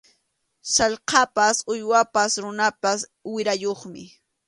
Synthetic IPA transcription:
sɑʎqɑpasʊjwapasɾʊnapaswɪɾajoχmɪ

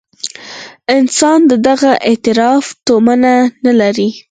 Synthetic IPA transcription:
ɪnsɑnd̪əd̪aɣaʔet̪ɪɾɑft̪omananalaɾi

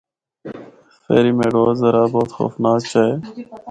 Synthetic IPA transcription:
fḛːɾiːmẽːɖoːzəɾaːboːt̪xo̰ːfnaːzt͡ʃaːeː

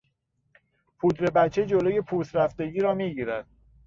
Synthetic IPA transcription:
pʰuːt̪ɾe̞bæt͡ʃʰːe̞d͡ʒoloːje̞pʰuːsɾæfd̪e̞ɟiːɾɒːmiːɟiːɾæd̪̥̚

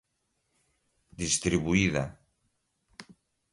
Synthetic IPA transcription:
d̪ist̪ɾiβuiða̰

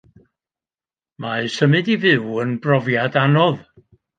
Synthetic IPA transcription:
maɨsəmɨdivɨwənbrɔvjadanɔð

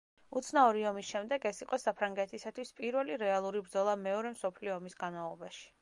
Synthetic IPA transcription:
ut̪sʰnaɔɾiɔmisʃɛmd̪ɛɡɛsiqʼɔsapʰɾaŋɡɛt̪ʰisat̪ʰwispʼiɾwɛliɾɛalˠuɾibɾd̪zɔlˠamɛɔɾɛmsɔpʰliɔɔmisɡanmalˠɔbaʃi̥

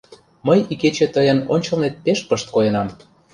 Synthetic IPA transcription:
məjiket͡ɕĕt̪əjənonʲt͡ɕɤ̆lnet̪̚peʃpəʃt̪̚kojenɑm

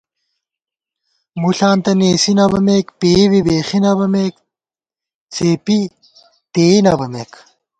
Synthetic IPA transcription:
muɬaːnt̪ɐneːsinɐbɐmeːkpeːbibeːxinɐbɐmeːk | t͡sʰeːpi | t̪eːnɐbɐmeːk

